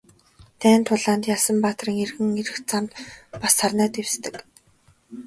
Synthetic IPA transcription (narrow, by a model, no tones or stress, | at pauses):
t̪ʰæːnt̪ʰʊɮaːnt̪jaːsə̆mpaːt̪riːŋerɣɘ̆ŋeɾɘ̆xt͡samt̪pasarnæːt̪ewst̪ɘ̆k